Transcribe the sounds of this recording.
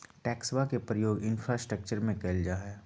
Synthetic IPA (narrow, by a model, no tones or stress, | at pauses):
ʈɛːkswakepɾəjoːɡɪnfɾasʈɾək̚t͡ʃəɾmẽkeld͡ʒaːɦɛ